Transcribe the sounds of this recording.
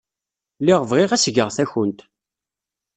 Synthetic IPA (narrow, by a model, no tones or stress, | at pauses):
lːiʁəvʁiʁæsɡəʁθæçənt̪